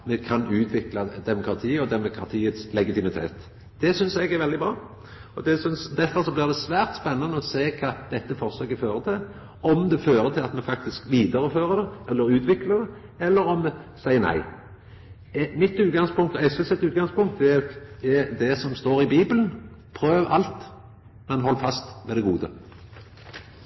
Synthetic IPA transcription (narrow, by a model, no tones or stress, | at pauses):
mɛkʰɑnʉːt̪ʰʋɪklɑd̪ɛmʊkɾɑt̪ʰiːɔd̪ɛmʊkʰɾɑt̪ʰiːət̪slɛɡɪt̪ɪmɪt̪ʰeːt̪ | d̪̥ɛsʏnsɛɡæɾʋɛld̪ɪbɾɑː | ɔd̪ɛsʏnsd̪ɛfəɾsɔblɪʁd̪ɛsʋæːɾt̪spɛnːɑnəɔseːkʰɑːd̪̥ɛt̪ːəfɔʁsøːɡəføːɾət̪ʰɪl | ɔmd̪ɛføːɾət̪ʰɪlɑt̪mɛfɑk̚t̪ɪskʋiːd̪əɾəføːɾəd̪ɛɛlːəɾʉːt̪ʋɪkləd̪ɛ | ɛlːəɾɔmːɛsæɪːənæ̰ɪ | mɪt̪ːʉːt̪̚ɡɑŋspʊŋk̚t̪ɔɛsɛsɛt̪ːʉːt̪̚ɡɑŋspʊŋkt̪d̪ɛɛd̪ɛsɔmst̪oːɾɪbiːbəln | pʰɾøːʋʔɑlt̪ | mɛnɦɔlːfɑst̪mʋɛːd̪ɛɡuːd̪ə̰